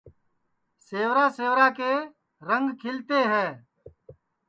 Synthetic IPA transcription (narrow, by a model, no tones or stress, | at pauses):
seːʋɾaːseːʋɾaːkeː | ɾəŋɡkʰɪlt̪eːɦɛː